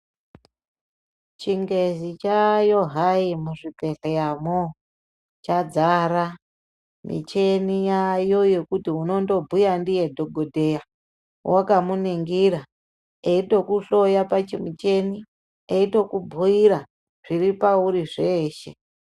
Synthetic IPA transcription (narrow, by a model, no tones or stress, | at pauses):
t͡ʃiŋɡe̞zit͡ʃajo̞ɦaimuʐipe̞ɬejamo | t͡ʃad͡zaɾa | mḭt͡ʃenijajo̞je̞kutiuno̞ndo̞bʱujandije̞dʱo̞ɡʱodʱe̞ja | wʔakamuneŋɡiɾa | eito̞kuɬo̞japat͡ʃimit͡ʃe̞ni | eito̞kubʱuiɾa | ʐ̥iɾipauɾiʐe̞ːʃe̞